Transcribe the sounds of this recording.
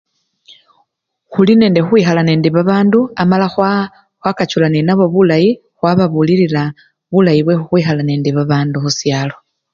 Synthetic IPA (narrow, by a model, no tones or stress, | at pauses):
xuline̞ːnde̞xuwiːxalane̞ːndiβaβaːnduamalax | xwakat͡ʃulanenaβo̞βulaji | xwaβaβuliɾila | βulajiβwe̞xuxwiːxalaneːndiβaβaːnduxusjaːlo̞